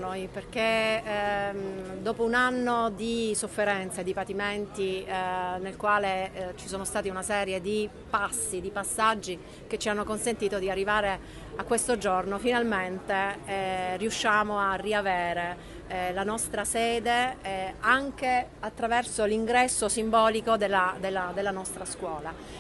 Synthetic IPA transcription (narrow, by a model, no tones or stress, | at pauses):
ojperk̟e | d̪oːpounanːod̪isofːeɾɛnt̪sed̪ipat̪iment̪i | nelkwaːlet͡ʃi̥soːnost̪aːt̪iunasɛːɾjed̪i | pasːid̪ipasːad͡ʒːi | k̟et͡ʃːianːokonsent̪iːt̪od̪iarːivaːɾe | akːwest̪od͡ʒornofinalment̪e | riuʃːaːmoarːiaveːɾe | lanɔst̪ɾasɛːd̪e | aŋk̟e | at̪ːɾavɛrsoliŋɡɾɛsːosimbɔːlikod̪elːad̪elːad̪elːanɔst̪ɾaskwɔːla